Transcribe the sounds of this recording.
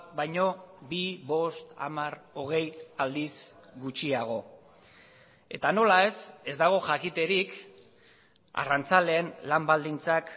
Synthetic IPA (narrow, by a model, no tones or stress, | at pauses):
bajɲo̞biβo̞st̪a̰maro̞ɣ̞e̞jald̪isɡut͡ʃiaɣ̞o̞ | e̞t̪ano̞lae̞se̞zd̪aɣ̞o̞ʝakit̪e̞ɾik | a̰rant͡sale̞ːnlambald̪int͡sak